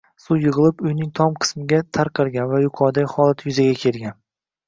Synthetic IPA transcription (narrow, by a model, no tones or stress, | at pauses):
sʊjɨʁɨlˠɪpʊjnɪŋt̪ʰɒmqʰɨ̥smɪɡʲat̪ʰaɾqʰɨɾˠɡʲanvajʊqʰɒɾd̪aχɒlˠat̪ʰjʊzaɡʲakʲʰe̞lɡʲan